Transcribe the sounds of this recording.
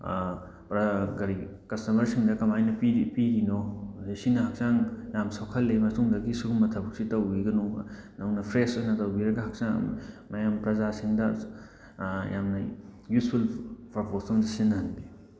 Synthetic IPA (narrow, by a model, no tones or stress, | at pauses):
pɾɐɡɐɾikɐstɐmɐɾsiŋdɐkɐmajnɐpipiɡinɔisinɐhak̚saŋjamsawkʰɐlːemɐsuŋdɐɡisuɡumːɐtʰɐbɐksitɐwbiɡɐnunɐwnɐpʰɾesojnɐtɐwbiɾɐɡɐhak̚saŋ̰mɐjampɾɐzasiŋdɐ | jamnɐjutpʰulpʰapʰosɔŋdɐsinɐɦanbi